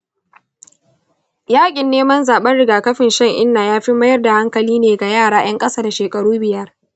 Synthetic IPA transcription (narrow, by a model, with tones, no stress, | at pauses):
jaː˦kʲʼɪ˨nːeː˦mɐ˦nzaː˨ɓɐ˦nɽɪ˨ɡaː˨kɐ˦ɸɪ˨nʃɐ˦ŋʔɪ̰˦nːaː˨jaː˦ɸɪ˦mːɐ˦jɐ˦rda˨ha˦ŋkɐ˨liː˦neː˨ɡa˨jaː˦˨ɽaː˨j̰ɐ˦ŋkʼɐ˦saː˦da˨ʃeː˨kʼɐ˨ɽuː˦bɪ˨jɐ˦r